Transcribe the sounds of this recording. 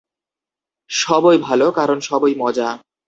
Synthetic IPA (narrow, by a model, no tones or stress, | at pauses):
ʃɔbojbʱalokaɾonʃɔbojmɔd͡ʑa